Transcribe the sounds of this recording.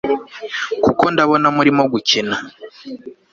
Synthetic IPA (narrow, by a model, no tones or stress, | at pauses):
kuko̞ndaβo̞namuɾimo̞ɡucina